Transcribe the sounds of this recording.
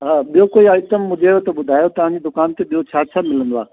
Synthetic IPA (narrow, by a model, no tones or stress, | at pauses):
ɦaːɓijokoːiɐɪt̪əmːʊ̃d͡ʒʱeot̪ɐɓʊd̪ʱaːjot̪ɐʋ̤ãɲd͡ʑid̪ʊkaːnt̪eɓijot͡ɕʰaːt͡ɕʰamɪlə̃nd̪oaː